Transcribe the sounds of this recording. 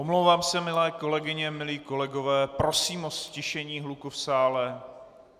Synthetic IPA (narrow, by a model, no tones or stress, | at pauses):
ʔomlowvaːmsɛmɪlɛːko̞lɛɡɪɲɛmɪliːko̞lɛɡo̞vɛːpɾo̞siːmoscɪʃɛɲiːɦlukufsaːlɛ